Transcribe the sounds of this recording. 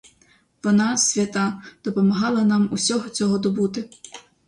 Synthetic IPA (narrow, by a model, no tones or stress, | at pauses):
ʋɔnɑsʲʋʲɐt̪ɑd̪̥ɔpɔmɐɦɑlˠɐnɑmusʲɔɦɔt͡sʲɔɦɔd̪ɔbut̪ɪ